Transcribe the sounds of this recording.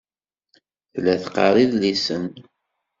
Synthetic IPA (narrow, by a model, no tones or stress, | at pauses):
θlæθqɑ̰ɾˤiðlisən